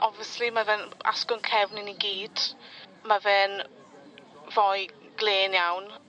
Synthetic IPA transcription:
ʔɔvjəslimavɛna̰skʊnkʰɛvnɪniɡiːd̥mavɛːn | vɔj | ɡ̥lˠeːnjawn

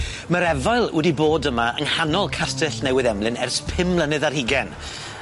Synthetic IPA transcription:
məɾɛvajlˠwɛdiboːdəmaʔə̰ŋhanɔlˠkʰastɨɬnɛwɪðɛmlˠɪnɛrspʰɪmlˠənɨðarhiɡɛn

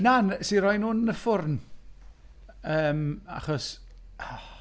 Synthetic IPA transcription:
nansiɾɔjnuːnəfʊrn | əːma̰χɔs

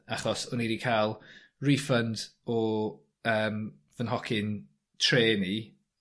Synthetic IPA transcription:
aχɔsɔniɾikʰaːlˠ | riːfəndɔ | əːm | vənɦɔkʰɪn | tʰreːni

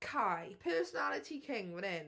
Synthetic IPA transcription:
kʰaɪpʰɜːˑsənalɪtʰikʰɪ̃ŋwənɪn

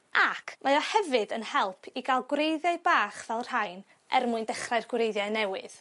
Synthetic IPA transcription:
akʰmajɔhɛvɨdənhɛlˠpʰiɡalˠɡwrejðjaɨbaːχv̥ɛlˠr̥ajn | ʔɛ̰rmuɨndɛχrajrɡwrejðjaɨnɛwɨ̰ð̥

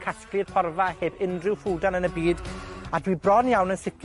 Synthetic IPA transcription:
kʰasklɨd̥pʰɔrvaheːbɪndrɪwfuːdanənəbiːdadwibrɔnjawnənsɪkʰ

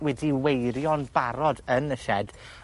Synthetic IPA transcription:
wɛdiwejɾjɔnbaɾɔdənəʃɛd̥

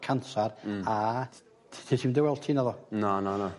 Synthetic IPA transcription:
kʰansara | tʰitʰiːmndɛwɛlˠtʰiːnaðɔnanana

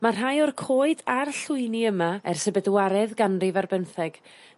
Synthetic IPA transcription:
marɦajɔrkʰoːɨdarɬʊɨniəmaɛrsəbɛdwaɾɛðɡanrivarbənθɛɡ̥

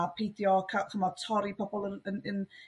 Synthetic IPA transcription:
apʰejdjɔkʰakʰəmɔtʰɔɾipʰɔbɔlˠənənən

